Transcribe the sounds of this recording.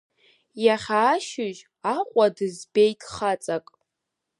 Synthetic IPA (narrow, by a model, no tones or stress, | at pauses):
jaχʲaːʃʊʒ | aqʷʼadɨzbejtʼχat͡sʼakʼ